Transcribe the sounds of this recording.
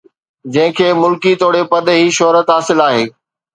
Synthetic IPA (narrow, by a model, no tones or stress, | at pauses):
d͡ʑɐ̃ɦɪ̃kʰeːmʊlkit̪oːɽepɐd̪ɦiʃɔɦɾət̪ɦaːsɪlaːɦeː